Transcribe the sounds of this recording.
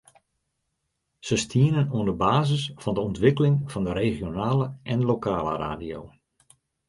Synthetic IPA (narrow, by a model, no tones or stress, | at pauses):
səstʰiənənuəndəbaːzəsfɑndəɔntʋɪkəlɪŋv̥ɑndəɾeɣjonaːləʔɛnlokaːlə̰ra̰ːdio̰w